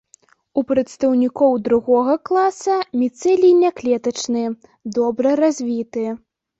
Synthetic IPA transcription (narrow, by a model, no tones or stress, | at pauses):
upɾɐt̪st̪ɐwnʲikɔwd̪ɾuɣɔɣɐklˠasɐmʲit̪sɛlʲinʲaklʲɛt̪ɐt͡ʂnɨ | d̪ɔbɾɐɾazʲvʲit̪ɨ